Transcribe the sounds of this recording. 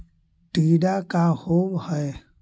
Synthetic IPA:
t̪ɯdakahohəj

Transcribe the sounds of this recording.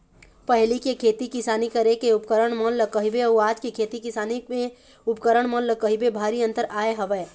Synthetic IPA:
pəɦlikekʰeːt̪ikɪsaːnikəɾekeʊp̚kəɾəɽ̃məlləkəɦibeəuaːd͡ʒkikʰeːt̪ikɪsaːnimẽ | ʊpkəɾəɽ̃məlləkəɦibebʱaːɾiə̃nt̪əɾaːeɦəʋɛː

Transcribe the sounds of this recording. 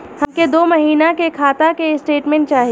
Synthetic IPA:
hɐ̃mked̪oːmɐɦiːnakekʰaːt̪akesʈeːʈmẽɳʈ̚t͡ʃaːɦi

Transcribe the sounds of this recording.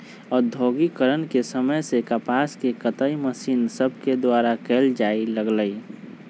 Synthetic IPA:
ɔːɾd̪ʱoːɡikəɾənkesəməjsekəpaskekət̪əiməsiːnsəbʱked̪waːɾakeːld͡ʒailəɡləi

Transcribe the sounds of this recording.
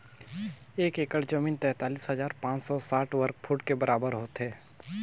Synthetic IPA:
eːkeːkəɽd͡ʒəmiːnt̪ɛɦt̪aːliːsɦəzaːɾpãːt͡ʃsɔsaːʈʰʋəɾk̚pʰʊʈkebəɾʔaːbəɾɦoːt̪ɦɛː

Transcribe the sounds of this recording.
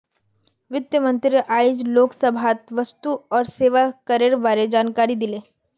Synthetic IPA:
ʋɪt̪jəmənt̪ɾiʔaid͡ʒloksəbʱat̪ʋəst̪uɔːɾseʋakəɾeɾbaɾed͡ʒaːnkaɾid̪ile

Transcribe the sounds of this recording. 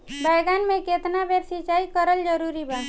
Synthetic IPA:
bʱaɪɡaːnmẽket̪nabʱeːɾsit͡ʃaːikəɾəld͡ʒəɾuːɾibə̃

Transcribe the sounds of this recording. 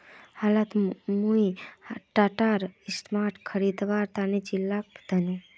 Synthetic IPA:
halat̪muiʈaʈaɾɪsʈmaʈkʰəɾid̪ʋaɾt̪anid͡ʒilːak̚d̪ʱəne

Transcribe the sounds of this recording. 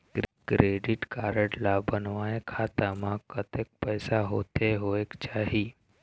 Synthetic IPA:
kɾkɾeɖiʈkaɾəʈlabənʋaekʰat̪amãkət̪ek̚pəjsaɦot̪eɦoekt͡ɕaɦi

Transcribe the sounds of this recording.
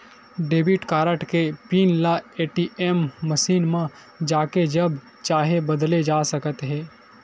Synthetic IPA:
ɖeːbiʈkaːɾəʈkepiːnlaeːʈiːɛːmːəʃiːnmã | d͡ʒaːked͡ʒɐb | t͡ʃaːɦebɐd̪led͡ʒaːsɐkət̪ɦɛː

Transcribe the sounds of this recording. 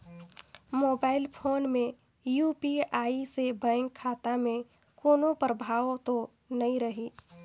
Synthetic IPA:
moːbaːɪlpʰoːnmẽ | juːpiaːisebɛ̃ːŋkʰːaːt̪amẽ | koːnopɾəbʱaːwt̪o | nɐĩɾəɦi

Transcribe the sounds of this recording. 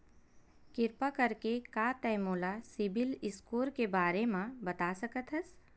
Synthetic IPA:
kɪɾpakɐɾkekat̪ɛːmoːlasɪbɪlɪskoːɾkebaːɾemãbɐt̪aːsɐkət̪ɦəs

